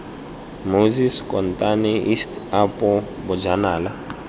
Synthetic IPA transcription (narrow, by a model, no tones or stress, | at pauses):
moziskʼɔn̩tʼanɛʔistapɔ | bʊd͡ʒanaːla